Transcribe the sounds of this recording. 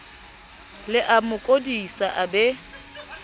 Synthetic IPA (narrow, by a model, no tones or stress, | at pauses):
lɪʔamʊkʼodisaʔabɛ